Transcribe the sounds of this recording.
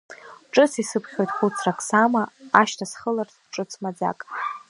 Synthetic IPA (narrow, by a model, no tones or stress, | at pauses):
ʈ͡ʂʼɨt͡sʰisɨpʰχʲo̞jtʼχut͡sʰrakʰʼsamaaʃtʰasχəlartʰʈ͡ʂʼɨt͡sʰmad͡za̰kʼ